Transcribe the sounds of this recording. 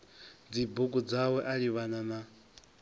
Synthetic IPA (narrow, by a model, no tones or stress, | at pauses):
d͡zibukʼud͡zawɛʔaɺiβanana